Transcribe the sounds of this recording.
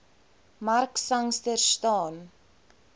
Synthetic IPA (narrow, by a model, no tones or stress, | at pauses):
marksɐŋstərstɑːn